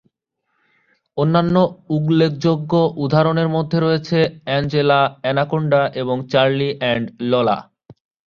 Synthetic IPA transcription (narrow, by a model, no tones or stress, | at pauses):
onːanːouɡlek̚ʰd͡ʑoɡːoʔud̪ʱaɾoneɾmod̪ʱːeɾɔet͡ɕʰeɛnd͡ʑelaɛnakoɳɖaʔeboŋt͡ɕaɾliʔɛɳɖlɔla̰